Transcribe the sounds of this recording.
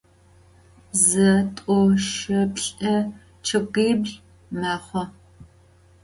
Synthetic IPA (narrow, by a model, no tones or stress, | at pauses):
zɐtʷʼɔʃɨpɬʼɐ | t͡ʃʰɨɡʷiːbɮ | maːχʷɔ